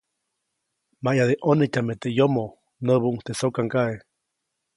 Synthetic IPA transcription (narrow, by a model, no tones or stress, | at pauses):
majaðeʔonec̪ʲamet̪ejomo | nəβuuŋt̪esokaŋkaʔe